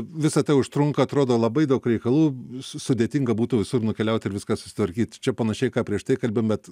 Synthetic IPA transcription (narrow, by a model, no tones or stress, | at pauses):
ʋʲɪsɐt̪ɐɪʊʃt̪ɾʊŋkɐɐt̪ɾoːd̪oːlˠɐbɐɪd̪ɐʊkɾʲɛɪkɐlˠuːsʊd̪ʲeːt̪ʲɪŋɡɐbuːt̪ʊʋʲɪsʊrnʊkʲɛlʲɛʊt̪ʲɪɾʋʲɪskɑːsʊ̥sʲɪ̥t̪ʋɐɾʲkʲiːt̪t͡ʃʲɛpɐnɐʃʲɛɪkɑːpʲɾʲiɛʃt̪ɐɪkɐlʲbʲembʲɛt̪